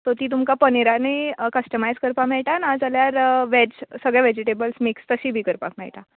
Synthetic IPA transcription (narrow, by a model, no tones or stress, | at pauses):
t̪ot̪iːt̪̬umkapəniɾanikəsʈəmajd͡zkəɾpamɛɭʈ̪anad͡zaljaɾʋed͡ʑsəɡɭjaʋed͡ʑiʈ̬ebəlsmikst̪əɕiːbʱiːkəɾpa̰kmɛ̰ɭʈa